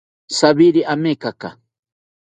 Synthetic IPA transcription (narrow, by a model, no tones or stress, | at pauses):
saβiɾiʔamekaka̰